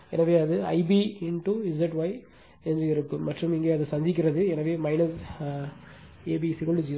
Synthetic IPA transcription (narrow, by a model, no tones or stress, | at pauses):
ɛ̰nɐʋeːɐðɯɐ̰ɪbiɪɳʈuɪzɐʈʋɐɪ | ɛndrɯɪɾɯkːɯmːɐʈːrɯmɪŋɡeːɐðɯsɐɲd͡ʒɪk̬ːɪɾɐðɯɛnɐʋeːmɐɪnɐs | eːbisɪkɐlɯd͡ʒi